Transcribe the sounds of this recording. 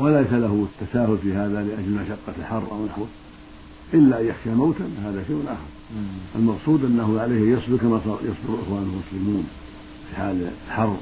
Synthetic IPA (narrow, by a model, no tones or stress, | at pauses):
walajsalaɦʊɪt̪ːasaːhʊlfiːɦaːðalɪʔad͡ʒlmaʃɑqːɑlħɑrˤːʔa̰wnaħwɪ | ʔɪlːaʔjjaxʃamawt̪anhaːðafiwʊnʔaħʊmwalmɑqsˤuːd̪ʔanːaɦʊʕalajhjɑsˤd̪ʊɾkamasˤɑjɑsˤd̪ʊɾʔɪ̰xwaːnɪlmʊslɪmuːn | fiħaːllħɑrˤː